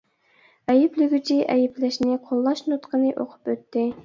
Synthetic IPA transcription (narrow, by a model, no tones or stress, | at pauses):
ɛjɪplɪɡʲyt͡ʃʰiʔɛjɪplɪʃnɪqʰolˠːɑʃnut̪qʰənɨʔo̰qʰʊ̥pøt̪ʰːɪ